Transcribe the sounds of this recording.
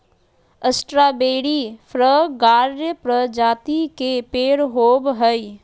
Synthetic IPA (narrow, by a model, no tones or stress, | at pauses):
əsʈɾaːbeːɽiːpʰɾəɡaːɾjəpɾəd͡ʒaːt̪ikepeːɽɦoːbɦəi